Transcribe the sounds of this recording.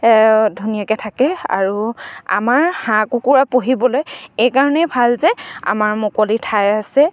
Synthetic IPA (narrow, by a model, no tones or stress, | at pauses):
dʱunijakɛtʰakɛa̰ɹua̰maɹhãkukuɹapoɦibɔlojejkaɹɔnɛbʱalzɛa̰maɹmʊkolitʰajasɛ